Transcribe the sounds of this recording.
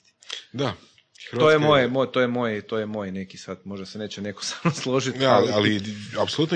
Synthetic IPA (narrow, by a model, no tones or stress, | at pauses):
d̪a | xɾojemojemojt̪ojemo̞jet̪ojemo̞jne̞kisad̪mo̞ʒd̪asene̞ːt͡ɕene̞ko̥samnoslˠoʒit̪laliapsolut̪no